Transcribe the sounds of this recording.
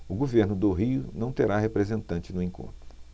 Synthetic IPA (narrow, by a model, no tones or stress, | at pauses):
ʊɡoveɾnʊd̪ʊɦiʊnɐ̃w̃t̪eɾaɦepɾezẽnt̪ɐ̃nt͡ʃɪnʊẽkõ̰nt̪ɾʊ